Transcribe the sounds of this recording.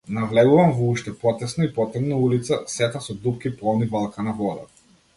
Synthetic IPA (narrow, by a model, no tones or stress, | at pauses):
navlɛɡuvamvɔuʃt̪ɛpɔt̪ɛsnɔipɔt̪ɛbnaulit̪sasɛt̪asɔd̪up̚kipɔlˠnibalˠkanavɔd̪a̰